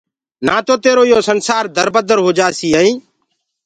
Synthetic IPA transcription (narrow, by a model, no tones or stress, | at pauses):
naːt̪oːt̪eːɾoːɪjoːsənsaːɾd̪ʱəɾbəd̪əɾɦoːd͡ʒaːsiːɦəːĩː